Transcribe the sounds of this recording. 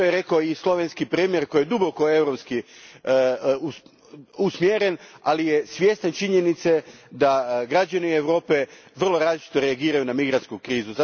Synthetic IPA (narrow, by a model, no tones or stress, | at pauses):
ojeɾe̞kaoislˠo̞ʋenskipɾiːmje̞ɾko̞jed̪uboko̞e̞ʋɾo̞pski | u | usmjeɾe̞nalijesʋjest̪net͡ʃiɲe̞nit̪sed̪aɡɾad͡ʑanieʋɾo̞ːpe̞ | ʋr̩lˠo̞ɾaːzlit͡ʃit̪oɾeaɡiːɾajunamiɡɾant̪kukɾiːzuza